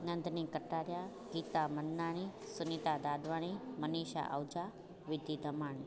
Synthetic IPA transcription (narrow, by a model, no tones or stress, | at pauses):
nɐnd̪ʱnikəʈːaːɾja | ɡiːt̪amɐnːaːɽ̃i | sʊnit̪ad̪aːd̪ʋaːɽ̃iməniːʃa̰ʔəwd͡ʒa | ʋɪd̪ʱid̪ʱɐmaːɳ̃i